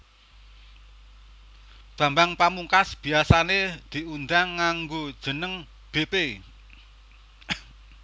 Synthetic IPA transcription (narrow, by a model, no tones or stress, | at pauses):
b̥a̤mbaŋpamuŋkasb̥i̤asaned̪̥i̤ʔund̪aŋːaŋɡo̥ʒ̥ə̤nəŋ | b̥e̤pe